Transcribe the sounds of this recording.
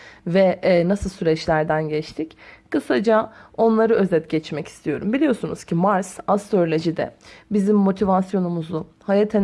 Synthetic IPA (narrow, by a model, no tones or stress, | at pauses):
vɛnasɯlˠsyɾɛt͡ʃlʲæɾd̪ænɟɛt͡ʃt̪ʰickɯsad͡ʒao̞nlˠaɾɯø̞zɛt̪ɟɛt͡ʃmɛci̥st̪ʰijo̞̰ɾumbilʲijo̞sunuz̥cʰimaɾsast̪ɾolʲoʒid̪ɛ̰bizimːo̞t̪ʰivasjo̞numuzu | hajat̪ʰen